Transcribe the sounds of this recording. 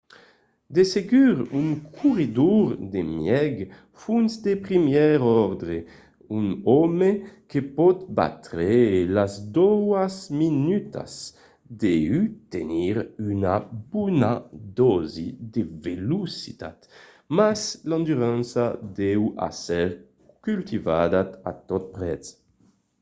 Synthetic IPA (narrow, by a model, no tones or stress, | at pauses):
d̪eseɡyʁyŋkʰuʁid̪uɾd̪emjɛɡ | funsd̪epʁimjɛɾɔɾd̪ɾe | uŋɔmekepɔt̪ba̰t̪ɾelazd̪ɔwazminyt̪a̰s | d̪eyt̪eniɾynabunad̪ɔzid̪evelusi̥t̪a̰t̪ | masland̪yʁansad̪ɛwa̰sɛɾ | kylt̪ivad̪at̪at̪ɔt̪̚pɾɛs